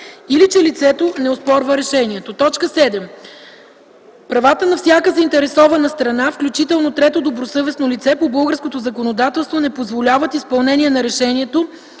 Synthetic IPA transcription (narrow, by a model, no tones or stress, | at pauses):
ilit͡ʃɛlit̪sɛt̪onɛospɔɾvəɾɛʃɛniɛt̪ot̪ɔt͡ʃkəsɛd̪ɛm | pɾɐvat̪ənɐfsʲakəzɐint̪ɛɾɛsɔvɐnəst̪ɾɐnafklʲut͡ʃit̪ɛlˠnot̪ɾɛt̪od̪obɾosɤvɛsnolit̪sɛpobɤlˠɡəɾskot̪ozɐkonod̪at̪ɛlˠst̪vonɛpozvolʲavət̪ispɐlˠnɛniɛnɐɾɛʃɛniɛt̪o